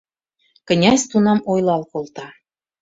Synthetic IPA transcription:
kə̆nʲɑsʲt̪unɑmojlɑlkolt̪ɑ

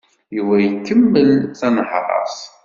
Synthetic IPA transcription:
jiwæjəkːəmːəlθænəħɾˤɑ̰sˤ

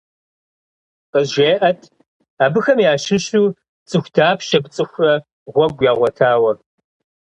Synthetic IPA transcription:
qʼəzʒeːʔɐtʰ | aːbɨxɐmjaːʃɪɕuː | t͡sʼɨxʷdʰaːpʰʃɐbt͡sʼɨxʷrɐ | ʁʷɔɡʷjaːʁʷɔtʰaːwɐ

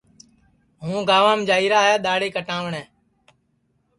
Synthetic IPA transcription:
ɦũːɡaːʋãːmd͡ʒaːiːɾaːɦɛːɗ̪aːɽeːkəʈãːʋɳɛ̃ː

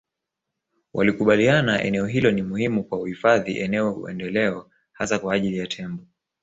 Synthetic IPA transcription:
wʔalikuɓalianaʔɛ̰nɛɔɦilɔnimuhimukwauhifaðḭʔɛnɛɔṵɛ̰ndɛlɛɔ | hasakwaːʄilijatʰɛmbɔ

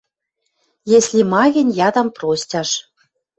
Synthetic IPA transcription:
jesʲlʲimɑɣʲɘ̆nʲjɑd̪ɑmprosʲtʲɑʃ

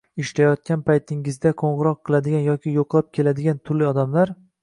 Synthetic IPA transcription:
ɪʃlajɒt̪̚kʲanpʰajt̪ʰɪŋɪzd̪aqʰoɴʁɨɾɒqʰːɨlˠad̪ɪɡʲanjɒkʲɪjoqʰlˠap̚kʲʰe̞lad̪ɪɡʲant̪ʰʊɾlɪɒd̪amlaɾ

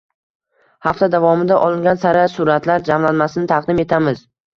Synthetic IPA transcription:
haft̪ad̪avɒmɪd̪aʔɒlˠɪŋɡʲansaɾasʊɾat̪laɾd͡ʒamlanmasɪnɪt̪ʰaqd̪ɪme̞t̪ʰamɪz

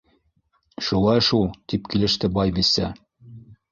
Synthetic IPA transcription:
ʃulˠɑjʃulˠt̪ipkilɘ̆ʃt̪ɘbɑjbisːɘ

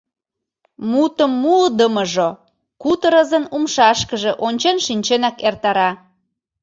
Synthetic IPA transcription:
mut̪əmːuld̪əməʒo | kut̪əɾəzənumʃɑʃkəʒeʔonʲt͡ɕenʃinʲt͡ɕenɑkert̪ɑɾɑ

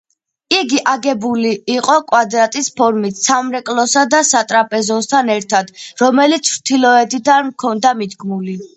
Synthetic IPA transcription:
iɡiʔaɡɛbuliːqʼɔkʼwad̪ɾat̪ʼispʰɔɾmit̪samɾɛkʼlˠɔsad̪asat̪ʼɾapʼɛzɔnst̪ʰanɛɾt̪ʰad̪̥ɾɔmɛlit̪sʰɾt̪ʰilɔɛd̪id̪ankʰɔnd̪amid̪ɡmuli

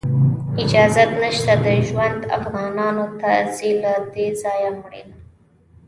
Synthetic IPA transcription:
ɪd͡ʒɑzat̪nəʃt̪ad̪əʒwand̪a̰fɣɑnɑnot̪azilad̪ezɑjamɽḛn

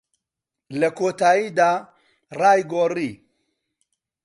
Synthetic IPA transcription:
lɐkʰoːt̪aːjiːd̪aː | raːjɡoːriː

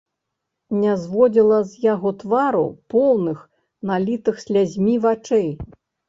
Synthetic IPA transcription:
nʲɛzvɔd͡zʲilˠɐzjaɣɔt̪vaɾṵpɔwnɨx | nalʲit̪ɨxsʲlʲazʲmʲivat͡ʂɛj

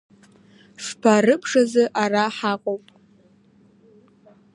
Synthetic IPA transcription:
ʂpʰaɾɨpʰʂazɨʔaraħaqʼowpʼ

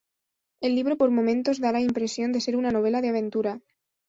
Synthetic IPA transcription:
e̞lːiβ̞ɾopo̞ɾmõ̞mẽnt̪o̞zðalaimpɾe̞sjo̞nd̪ese̞ɾunano̞β̞e̞laðeaβ̞ẽ̞nt̪uɾa

